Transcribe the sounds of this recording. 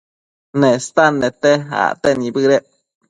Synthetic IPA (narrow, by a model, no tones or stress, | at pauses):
nest̪anːet̪ea̰t̪enibɨɾe